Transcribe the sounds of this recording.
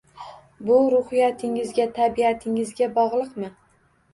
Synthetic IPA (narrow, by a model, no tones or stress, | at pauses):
bʊɾʊhɪjat̪ʰɪŋɪzɡʲat̪ʰabiat̪ʰɪŋɪzɡʲabɒʁlˠɨqmɪ